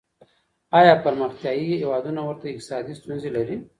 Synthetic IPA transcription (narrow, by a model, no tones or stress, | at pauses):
ɑjɑpaɾməxt̪jɑjiɦewɑd̪unawəɾt̪aɪq̚t̪ɪ̥sɑd̪ist̪unzelaɾi